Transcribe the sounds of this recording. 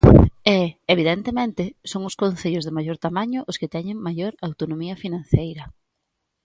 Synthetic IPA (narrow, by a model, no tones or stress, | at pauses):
ɛeβ̞iðɛnt̪emẽnt̪ɪsoŋʊskonθeʎʊzðɪmajoɾt̪amaɲʊʔʊskɪt̪ɛɲɪŋmajoɾawt̪onomiɐfinãnθejɾɐ